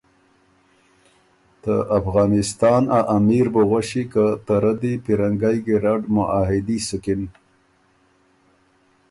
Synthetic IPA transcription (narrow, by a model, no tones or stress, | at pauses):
t̪əʔafɣɑːnɪst̪ɑnaʔamiɾbəɣaʃikat̪aɾad̪ipiɾaŋɡajɡiɾaɖmʊʔaɦɪd̪isʊkɪn